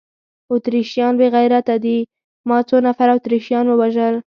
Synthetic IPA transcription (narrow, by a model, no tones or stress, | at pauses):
ʊt̪ɾiʃjɑnbeɣajɾat̪ad̪i | mɑt͡sonafaɾawʊt̪ɾiʃjɑnwəwaʒəl